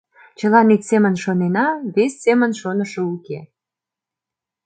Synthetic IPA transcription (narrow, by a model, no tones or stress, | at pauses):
t͡ɕəlɑnit̪ʲsemənʃonenɑβesʲːemənʃonəʃəuke